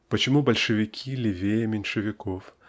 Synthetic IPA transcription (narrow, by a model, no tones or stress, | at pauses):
pɐt͡ɕɪmubɐlʲʂɨvʲikʲʰilʲivʲejɛmʲɛnʲʂɨvʲikɔf